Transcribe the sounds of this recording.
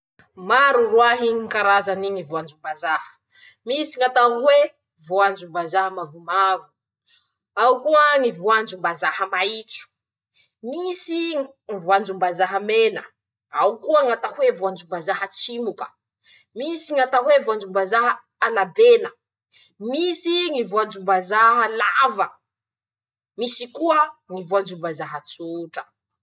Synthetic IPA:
maɾurwaɦiŋkaɾazaniŋivoand͡ʒumbazahə̥ | misiŋat̪aŋwe | voand͡ʒumbazaɦəmavumavu̥ | awkuəŋivuand͡ʒumbazahəmait͡su̥ | misi | ŋivuand͡ʒumbazaɦəmenə | awukuəŋat̪ahwevuand͡ʒumbazaɦət͡simukə̥̰ | misiŋat̪aɦwevuand͡ʒumbazaɦə | alabenə | misiŋivuand͡ʒumbazaɦəlavə | misikuəŋivuand͡ʒumbazaɦət͡suʈ͡ʂə̥

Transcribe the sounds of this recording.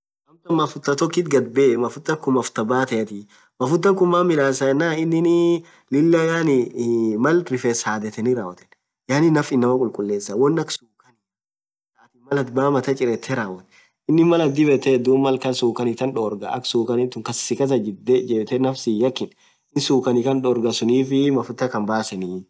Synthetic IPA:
mɐmt̪ɐmɐfʊt̪ːɐt̪ɔkːɪt̪ɡɐd̪̚bemɐfʊt̪ːɐŋkʊmɐft̪ɐbaːt̪ɐɛt̪ɪ | mɐfʊt̪ːɐŋkʊmaːmɪlaːsɐɛnːaːɪnːɪnɪ | lɪlːɐjaːnɪmɐlɾɪfesaːd̪ɛt̪ɛnɪɾaːwɐt̪ɛ̥n | jaːnɪnːɐfɪnːɐmɐkʼʊlkʼʊlːeːsːɐwɔnːɐksuːkɐn | saːt̪ɪmɐlɐt̪baːmɐt̪ɐt͡ʃʼɪɾɛt̪ʰːɛɾaːwɐt̪ɛ | ɪnːɪmɐlɐd̪ɪbɛt̪ːɛd̪uːmɐlkɐnsuːkɐnɪt̪ːɐnᶑoːɾɡɐ̰ʔɐ̰ksuːkɐnɪt̪ʊŋkɐssɪkɐs̬ɐd͡ʒd̪ɛd͡ʒɛːbt̪ɛnɐfsɪjɐkːɪn | ɪnsuːkɐnɪkɐnɗɔɾɡɐsʊniːfɪmɐfʊt̪ːɐkɐmbaːsɐni

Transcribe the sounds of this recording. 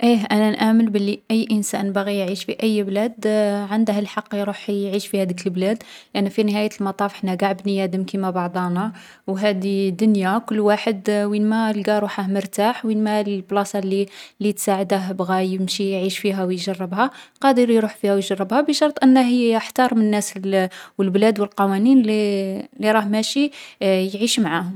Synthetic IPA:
ʔiʔænænʔæməlbəlːiʔəjːʔənsænbaɣijʕiʃfiʔəjːblæd̪ʕand̪həlħɑqːjɾuħjʕiʃfihæd̪əkəlblæd̪ʔænifinəɦæjəlmɑt̪ˤɑfħnːæɡaʕbnijæd̪əmkimæbɑʕd̪ˤɑnɑ | wɦæd̪id̪ʊnjakʊlːwaħəd̪winmælɡæɾˤuħaməɾt̪aħwinmælblɑsɑlːilːit̪saʕəd̪əɦbɣæjəmʃijʕiʃfiɦæwjʒɑrˤːəbhæqɑd̪əɾjɾuħfihæwjʒɑrˤːəbhæbəʃɑɾˤt̪ˤʔənːæɦijəħt̪ɑɾˤmənnːæswəlblæd̪wəlqɑwæninlilːiɾˤɑhmæʃijʕiʃmaʕahʊm

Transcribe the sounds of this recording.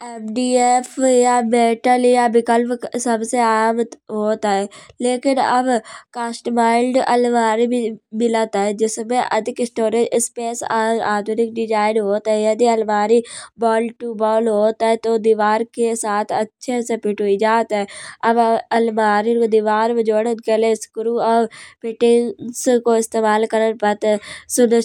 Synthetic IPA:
ɛːpɖiːeːfʰjameːʈəljabɪkəlpsɐbseaːmɦoːt̪aɦɛleːkɪnɐ̰bkaːsʈmaːɪlɖɐ̰lmaːɾibʱimɪlat̪aɦɛd͡ʒɪsmẽʔɐ̰d̪ʱɪkɪsʈoːɾed͡ʒɪspeːsaːd̪ʱʊnɪk̚ɖɪd͡ʒaːɪnɦoːt̪ɦɛjɐd̪iɐlmaːɾibɔːlʈubɔːlɦoːt̪aɦɛt̪od̪iʋaːɾkesaːt̪ʰɐtːʃʰesepɪʈuid͡ʒaːt̪ɛɐbɐlmaːɾikod̪iʋaːɾmẽd͡ʒoːɽəkeleskʊɾuɐpɪʈɪŋskoɪst̪eːmaːlkɐɾənpɐt̪sʊnə

